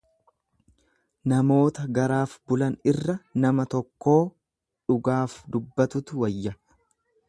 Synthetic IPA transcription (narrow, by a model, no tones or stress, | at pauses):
nɐmo̞ːt̪ɐɡɐɾaːfbʊlɐnɪrːɐnɐmɐt̪ɔkːo̞ː | ᶑʊɡaːfd̪ʊbːɐt̪ʊt̪ʊwɐjːɐ